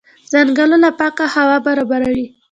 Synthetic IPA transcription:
zaŋɡəlolapɑkahawɑbaɾɑbaɾawi

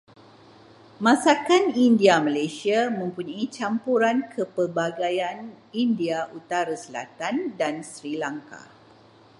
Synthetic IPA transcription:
mãsakanindiamalasiamə̃mpuɲãit͡ʃampuɾankʰəpərbaɡajan | indiaʔut̪aɾasəla̰t̪andansɾilaŋka̰

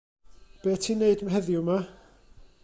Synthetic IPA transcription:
b̥eːtʰiːneɨdmɦɛðjʊma

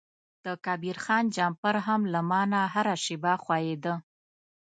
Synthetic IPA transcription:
d̪̥əkɑbiɾxɑnd͡ʒɑmpaɾɦamlamɑnaɦaɾaʃɪbɑxwɑjed̪ə

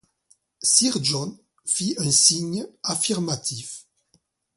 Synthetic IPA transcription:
siʁd͡ʒɔn | fiʔɛ̃nsiɲafiʁmat̪ʰif

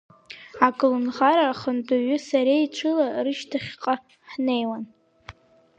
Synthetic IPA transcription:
akʼlunʁaɾaχəndʼaɥʏsaɾeiʈ͡ʂʷʰɨlarɨʃtʰaχʲqʼa | ħne̞jwan

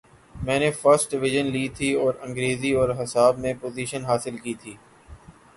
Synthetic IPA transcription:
mɛ̃ːnefəɾsʈ̚ɖɪʋɪʒənliːt̪ʰiɔːɾɐ̃ŋɡɾeːziɔːɾɦɐsaːbmẽpoːziːʃənɦaːsɪlkiːt̪ʰiː

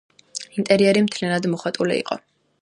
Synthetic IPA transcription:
int̪ʼɛɾiɛɾimt̪ʰlianad̪mɔχat̪ʼulḭḭqʼɔ̰

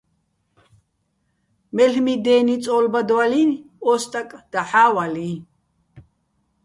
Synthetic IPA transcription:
mɛɬmid̪ɛːnit͡sʼɔːlbad̪walin | ɔst̪ʼakʼd̪̥aħaːwali

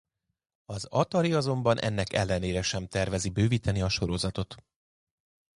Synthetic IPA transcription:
ɒzɒt̪ɒɾiɒzo̞mbɒnʔɛ̰nːɛkɛ̰lːɛneːɾɛʃɛmt̪ɛrvɛzibøːviːt̪ɛniɒʃo̞ɾo̞zɒt̪o̞t̪

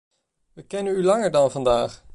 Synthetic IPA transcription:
ʋəkɛnənylɑŋəɹdɑnvɑndaːχ

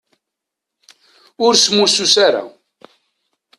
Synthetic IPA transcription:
ʊɾsmususaɾa̰

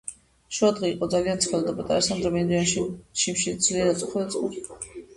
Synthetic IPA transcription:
ʃuad̪ʁɛiqʼɔd̪zaliant̪sʰχɛlˠd̪apʼat̪ʼaɾasand̪ɾɛmɛnd̪ianʃʃimʃid̪zliad̪at̪sʼuχɛlt̪sʼṵɾi

